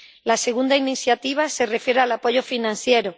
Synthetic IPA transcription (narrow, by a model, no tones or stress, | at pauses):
lase̞ɣ̞und̪ainiθjat̪iβ̞asere̞fjeɾealapo̞ʝofinãnθjeɾo